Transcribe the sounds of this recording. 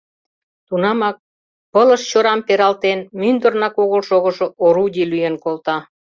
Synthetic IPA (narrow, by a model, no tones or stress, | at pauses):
t̪unɑmɑk̚ | pələʃt͡ɕoɾɑmpeɾɑlt̪enmynd̪ərnɑkoɣolʃoɣə̆ʒooɾud̪ʲilyjenkolt̪ɑ